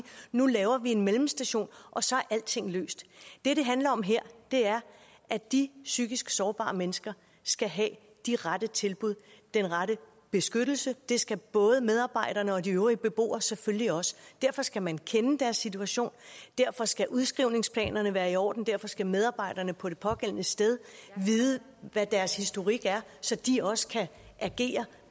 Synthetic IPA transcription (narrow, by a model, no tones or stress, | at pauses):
nulɛːʊɐʋie̝nmelm̩sd̥æɕo̝̰ːnʔɒ̽sɒ̽æɐʔæl̰d̥t͡sʰe̝ŋ̰lø̰ːsd̥d̥e̝ɾe̝ɦænlɐɒ̽mɦeɐ̰d̥e̝æɐ | ʔæd̥isyɡ̥isɡ̥sɒːb̥ɑ̰̈ːmenəsɡ̥ɐ | sɡ̥æɦɛ | d̥iʁadət͡sʰe̝lb̥uð̞̰ˠd̥enʁɑɾə | b̥e̝sɡ̥ød̥l̩səd̥e̝sɡ̥æb̥ɔ̽ːð̞ˠəmeð̞ˠɑ̈ːb̥ɑ̈ɪ̰d̥ɐnəɒ̽diøʊʁib̥e̝b̥o̝̰ːɐsefølliɒ̽sə̥d̥æɐ̰fɒ̽sɡ̥æmænkʰenəd̥æɐsːit͡sʰuæɕo̝̰ːnd̥æɐ̰fɒ̽sɡ̥æʔuðˠsɡ̥ʁiʊ̰ne̝ŋspʰlɛ̰ːnɐnəʋæːɐiɒ̰ːd̥n̩d̥æɐfɒ̽sɡ̥æmeð̞ˠɑ̈ːb̥ɑ̈ɪ̰d̥ɐnəpʰɒ̽d̥e̝pʰɒ̽ɡ̥en̰nəsd̥eð̞ˠʋiːðˠə | ʋæd̥æɐshisd̥o̝ʁiɡ̥æɐsɒ̽d̥iɒ̽sə̥kʰæ | ʔæɡ̥e̝̰ːɐ